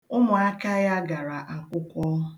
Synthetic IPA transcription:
ʊ˦mʊ˨a˦ka˦ja˦ɡa˨ɾa˨ʔa˨kʷʊ˦kʷɔ˦

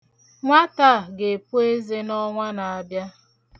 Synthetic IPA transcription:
ŋʷa˦ta˦˨ɡe˨pu˦e˦ze˦nɔ˦ŋʷa˦na˨a˨bja˦

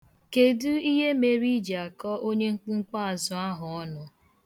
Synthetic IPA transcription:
ke˨du˦i˦ɦe˦me˨ɾi˦d͡ʒa˨kɔ˦o˦ɲe˦ŋ̩˦k͡pŋ͡m̩˦k͡pa˦a˨zʊ˦a˦ɦʊ˨ɔ˦nʊ˨

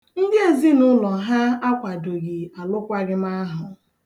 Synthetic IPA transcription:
n̩˦dɪ˦e˨zi˦nʊ˦lɔ˨ɦa˦a˦kʷa˨do˨ɡi˨a˨lʊ˦kʷa˦ɡɪ˦m˦a˦ɦʊ˨

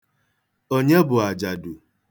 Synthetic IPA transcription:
o˦ɲe˦bʊ˨a˨d͡ʒa˨dʊ˨

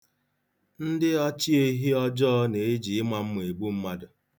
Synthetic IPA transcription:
n̩˦dɪ˦ɔ˦t͡ʃi˦e˦ɦi˦ɔ˦d͡ʒɔ˦ne˨e˦d͡ʒi˨ɪ˦ma˨m̩˦m˨e˨ɡ͡bu˦m̩˦ma˦dʊ˨

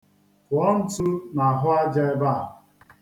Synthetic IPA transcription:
kʊ˨ɔ˦n̩˦tu˦na˨ɦʊ˦a˦d͡ʒa˦e˦ba˦˨

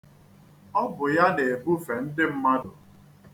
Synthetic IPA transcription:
ɔ˦bʊ˨ja˦ne˨e˨bu˦fe˨n̩˦dɪ˦m̩˦ma˦dʊ˨

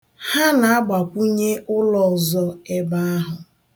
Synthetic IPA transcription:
ha˦na˨a˦ɡ͡ba˨kʷu˦ɲe˦ʔʊ˦lɔ˨zɔ˦e˦ba˦a˦ɦʊ˨

